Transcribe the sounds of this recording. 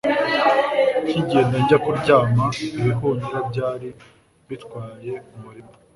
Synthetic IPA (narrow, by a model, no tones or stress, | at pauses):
ciɟiendeɲɟakuɾɟaːmaβiβiɦuɲiɾabɟaːɾi | βitkwaːje̞umuɾimo